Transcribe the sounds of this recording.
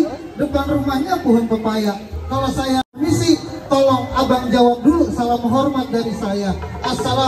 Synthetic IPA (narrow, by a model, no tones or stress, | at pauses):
dəpanrumahɲapuɦʊnpəpajaʔkalasajamisɪ | t̪ɔlɔŋabaŋd͡ʒawap̚dulusalaməɦɔrmat̪̚daɾisajaʔasala